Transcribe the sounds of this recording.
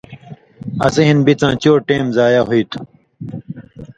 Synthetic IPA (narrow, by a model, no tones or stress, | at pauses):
ɐ̰seɦinbit͡sãːt͡ɕoːʈẽːmzaːjaɦoit̪ʰu̥